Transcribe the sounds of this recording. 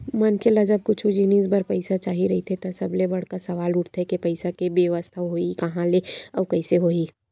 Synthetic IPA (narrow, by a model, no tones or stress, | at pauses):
mɐnkʰelad͡ʒɐb̚kʊt͡ʃʰud͡ʒinisbɐɾpɐɪsat͡ʃaːɦiɾɐɦit̪ʰet̪asɐblebɐɽ̤kasɐʋaːlʊʈt̪ʰɦekepɐɪsakebeʋəst̪ʰaʋɦoːikɐɦãleɔːɾkɐɪseɦoːiː